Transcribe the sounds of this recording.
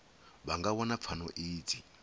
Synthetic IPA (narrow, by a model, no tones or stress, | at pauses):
βaŋɡawɔnap̪fʰanɔ̰ʔiːd͡zʰi